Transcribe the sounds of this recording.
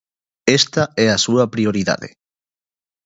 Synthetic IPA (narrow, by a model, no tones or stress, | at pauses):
est̪aɛasuɐpɾioɾiða̰ðḛ